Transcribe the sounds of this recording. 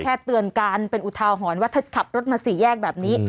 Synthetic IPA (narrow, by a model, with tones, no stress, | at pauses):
kʰɛː˥˩t̪ːɯ˧ənkaː˧npe˧nʔu˨˩t̪ʰaː˧wɦɔː˩˦nwa˦˥˩t̪ʰt̪̚kʰa˨˩p̚ɾo˦˥t̪̚maː˧siː˩˦jɛː˥˩k̚bɛː˨˩p̚niː˦˥